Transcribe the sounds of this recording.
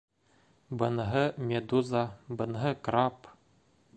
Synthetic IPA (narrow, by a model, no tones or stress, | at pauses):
bɤ̆nɤɦɤmʲed̪uzɑbɤ̆nɦɤkrɑp